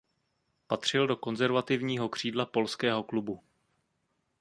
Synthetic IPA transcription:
pat̪r̝̥ɪldo̞ko̞nzɛɾvat̪ɪvɲiːɦo̞kr̝̥iːdlapo̞lskɛːɦo̞klubu

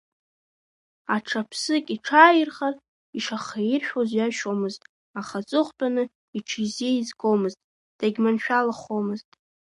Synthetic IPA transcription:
aʈ͡ʂʰapʰsɨkʼiʈ͡ʂʰaːjɪrχar | iʂaχajirʃᶣozjaʃomɨztʼ | aχat͡sʼɨχʷtʼanɨ | iʈ͡ʂʰizeizɡomɨztʼ | d̥aɡʲmanʃᶣalaχomɨztʼ

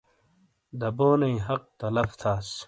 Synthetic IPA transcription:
d̪ɐboːnɐĩɦɐq̚t̪ɐlɐft̪ʰaːs

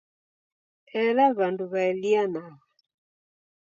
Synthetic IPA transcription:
ɛlaβanduβaɛlianaɣa

